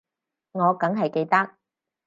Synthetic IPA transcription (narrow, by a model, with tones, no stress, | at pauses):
ŋɔː˨˧kɐ˨˥ŋɦɐ˨jke˧jt̪ɐ˥k̚